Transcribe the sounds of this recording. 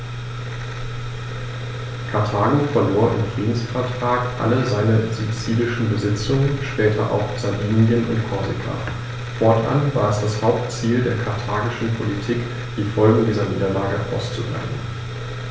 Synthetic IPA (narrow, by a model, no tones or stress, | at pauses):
kʰaɐtʰaːɡofɛɐloːɐʔɪ̰mfʁ̥iːdn̩sfɛɐtʁ̥aːkʔa̰ləzaɪnɐzut͡siːlɪʃn̩bəzɪt͡sʊŋənʃpɛːtʰɐ̰ʔa̰ʊfz̥aviːnjənʊ̰ntkʰɔɐzɪkʰa̰ | fɔɐtʔa̰nvaːɛsd̥ashaʊp̚tt͡siːldeːɐkʰaɐtʰaːɡɪʃn̩pʰolitʰiːk | d̥iːfɔlɡŋ̩diːzɐniːdɐlaːɡəʔa̰ʊst͡sudʁɛ̰n̩